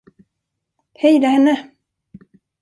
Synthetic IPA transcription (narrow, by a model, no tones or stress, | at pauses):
hɛjd̪ahɛnːə